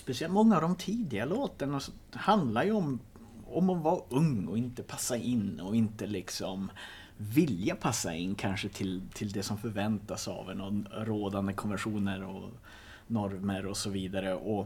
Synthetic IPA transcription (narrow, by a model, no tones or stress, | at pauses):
spɛsɪɛlt̪mɔŋːaːvd̪ɔmt̪ʰiːd̪ɪɡaloːt̪ənasɔ | hand̪laɾjɵɔm | ɔmɔnvaɾɵŋɔɪnt̪əpʰasːaʔɪnːɔɪnt̪əlɪksɔm | vɪljapʰasːa̰ɪnːkʰanʂət̪ʰɪlt̪ʰɪld̪ɛsɔmfœɾvɛnt̪asɑ̰vɛnɔɾoːd̪and̪əkʰɔnvɛnʂuːnəɾɔ̰ | nɔɾməɾɔsɔviːd̪aɾəʔɔ